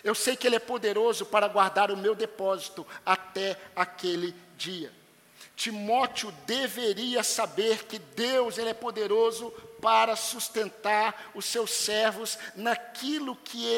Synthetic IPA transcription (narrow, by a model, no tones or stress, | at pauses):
ewsejkɪelɪɛpod̪eɾozʊpaɾɐɡwaɾd̪aɾʊmewd̪epɔzit̪ʊat̪ɛakelɪd͡ʒiɐ | t͡ʃimɔt͡ʃiʊd̪eveɾiɐsabeɾkɪd̪ewzelɪɛpod̪eɾozʊpaɾɐsust̪ẽnt̪aɾʊsewsːɛɾvʊznakilʊkʰɪ